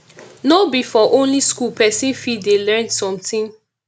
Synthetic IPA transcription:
nobifɔʔõnliskulpɛsĩnfidelɛ̃ndsɔ̃mtĩn

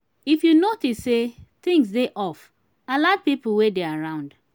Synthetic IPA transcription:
ifjunotisset̪ɪ̃ŋs̬deʔɔf | alad̚pipl̩wedeaɹãʊ̃nd

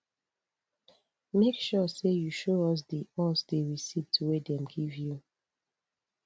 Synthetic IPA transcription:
mekʃɔsejuʃoɔs̬diʔɔsdeɹisivtʰuwedɛ̃mɡivju

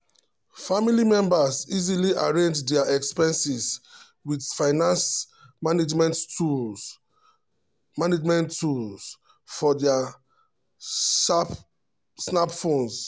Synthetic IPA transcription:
familimɛ̃mbasiziliʔaɹẽnd͡ʒdɛaʔɛkspɛ̃nsis | widfaɪnãns | maned͡ʒmɛ̃nttul | maned͡ʒmɛ̃ntːuls | fɔdɛa | ʃap | snapfõns

